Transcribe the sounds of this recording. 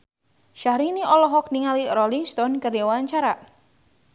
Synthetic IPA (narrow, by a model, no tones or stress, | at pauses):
ʃahɾiniʔɔlɔɦɔk̚niŋaliɾɔliŋst̪ɔnkəriwaɲt͡ʃaɾa